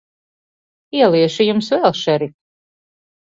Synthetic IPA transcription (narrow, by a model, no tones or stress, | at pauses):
iɛlˠiɛʃijumsvɛlˠʃɛɾi